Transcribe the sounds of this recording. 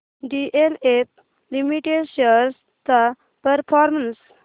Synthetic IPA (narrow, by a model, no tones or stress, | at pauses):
ɖiʔelep̚ | limiʈeɖʃeɾs | t̪a | pəɾpʰɔɾməns